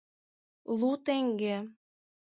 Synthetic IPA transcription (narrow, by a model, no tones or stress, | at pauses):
lut̪eŋɡe